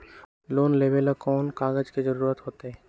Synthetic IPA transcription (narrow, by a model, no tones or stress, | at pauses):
loːnleːbeləkɔːnkaːɡəd͡ʒkid͡ʒəɾuːɾət̪ɦoːt̪eɦɛ